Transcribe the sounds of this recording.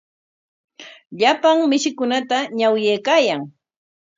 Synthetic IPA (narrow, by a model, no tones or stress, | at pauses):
ʎapaŋmɪʃɪkʊnat̪aɲawjejkaːjaŋ